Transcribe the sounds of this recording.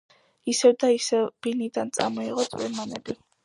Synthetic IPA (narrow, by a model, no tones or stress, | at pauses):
isɛvd̪aisɛb̥inid̪ant̪sʼa̰mɔiʁɔt̪sʼwḭɾmanɛ̰bi